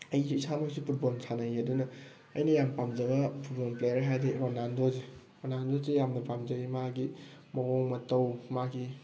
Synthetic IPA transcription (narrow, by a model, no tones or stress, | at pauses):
ɐjziːsamaksipʰut̚bonsʰanajɐdunɐ | ɐjnɐjampamzɐɡɐpʰuɾbonplejɾɦajdeɾonandoze | ɾonandozejamnɐpamzɐɡimaɡimɐwoŋmɐtɐwmaɡi